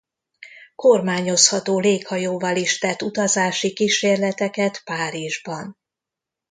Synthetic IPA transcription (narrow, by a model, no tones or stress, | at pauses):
ko̞rmaːɲo̞shɒt̪oːleːkhɒjoːvɒliʃt̪ɛt̪ːut̪ɒzaːʃikiʃeːrlɛt̪ɛkɛt̪paːɾiʒbɒn